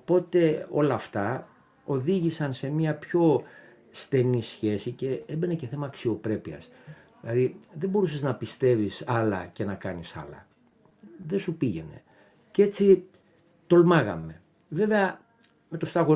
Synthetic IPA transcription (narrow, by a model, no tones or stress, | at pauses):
po̞t̪e̞o̞lɐːft̪ɐ | o̞ðiʝisɐnse̞miɐpço̞ | st̪e̞nisçe̞sice̞ebe̞neceθe̞mɐːksio̞pɾe̞piɐ̰s | ilɐðiðe̞bo̞ɾuse̞znɐpist̪e̞visɐlɐ̰ce̞nɐkɐnisɐ̰lɐ̰ | ðe̞supiʝe̞ne̞̰ | ce̞t͡si | t̪o̞lmɐɣɐ̰me̞ | ve̞ve̞ɐ | me̞t̪ost̪ɐɣo